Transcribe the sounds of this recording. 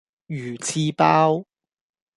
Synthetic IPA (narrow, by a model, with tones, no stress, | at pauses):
jyː˨˩t͡sʰiː˧paː˥w